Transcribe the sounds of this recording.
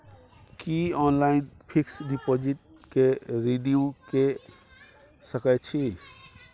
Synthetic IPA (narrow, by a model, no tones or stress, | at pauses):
kiɔnlainpʰiksɖipod͡ʒiʈ̚ | keɾiɖiuke | səkəjt͡ʃʰi